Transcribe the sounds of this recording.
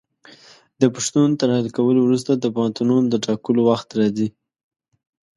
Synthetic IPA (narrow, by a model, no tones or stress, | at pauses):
d̪əpaʃt̪unt̪əɾhalkawəlowɾus̬t̪ad̪əpɑnt̪unund̪əʈɑkəlowaxt̪ɾɑzi